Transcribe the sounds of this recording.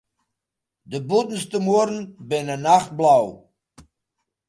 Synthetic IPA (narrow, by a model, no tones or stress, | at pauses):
dəbutn̩stəmuərn̩bɪnənaχt̚blaw